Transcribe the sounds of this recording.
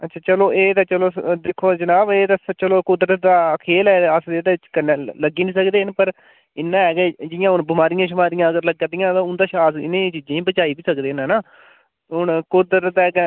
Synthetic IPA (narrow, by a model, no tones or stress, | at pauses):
ətːʃʰaːt͡ʃəloːʔeːt̪aːt͡ʃəloːd̪ɪkʰːoːd͡ʒənaːbeːd̪aːst͡ʃəloːkʊd̪ɾəd̪aːkʰeːlɛːəsd̪eːd̪eːɪt͡ʃkənːẽːləɡiːnĩːsəkd̪eːnpəɾ | ɪnːãːɛːɡɛd͡ʒɪjãːʊnbɪmaːɾɪjãːʃ̬ʊmaːɾɪjãːəɡəɾləɡad̪ɪjãːt̪ãːʊnd̪aːʃaːsɪ̰nẽːt͡ʃiːd͡ʒãːĩːbət͡ʃaːiːbiːsəkd̪eːnɛnaː | ɦʊnkʊd̪əɾt̪ɛːɡɛ